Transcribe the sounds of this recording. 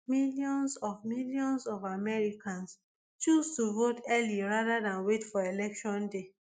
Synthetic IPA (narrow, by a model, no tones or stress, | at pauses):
miljɔ̃nsɔvmiljɔ̃nsɔvamɛɹikãns | t͡ʃustuvotʰɛliɹaðaðãnwetfɔelɛkʃɔ̃nde